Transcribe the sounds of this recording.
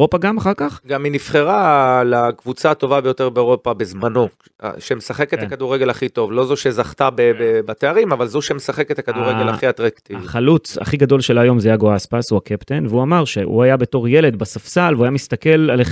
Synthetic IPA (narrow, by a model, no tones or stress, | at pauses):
o̞paɡamaχaʁkaχɡaminifχeʁalakvut͡sat̪o̞vabejo̞t̪eʁbeoʁo̞pabezmano̞̰ | ʃemesaχeket̪akaduʁeɡe̞laχit̪o̞vlo̞zoʃezaχt̪abebebat̪eaʁimavalzuʃemesaχeket̪akaduʁʁeɡelaχiat̪ʁakt̪ivaχalut͡sa̰χiɡad̪o̞lʃelajo̞mzeajaɡoaspasuakept̪enveuamaʁʃeʔṵajabe̞to̞ʁje̞le̞d̪basafsalveuajamist̪ake̞laleχ